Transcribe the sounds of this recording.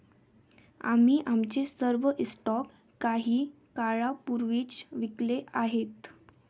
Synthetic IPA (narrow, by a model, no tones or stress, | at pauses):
a̰miːʔamt͡sesəɾʋəʔsʈɔkː | aɦiː | kaɭapuɾʋiːt͡sʋikleʔaɦet̪